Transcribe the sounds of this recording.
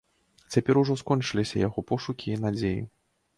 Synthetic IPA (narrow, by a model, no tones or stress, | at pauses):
t͡sʲapʲɛɾuʐɔskɔnt͡ʂɨlʲisʲɐjaɣɔpɔʂukʲiːnad͡zʲejḭ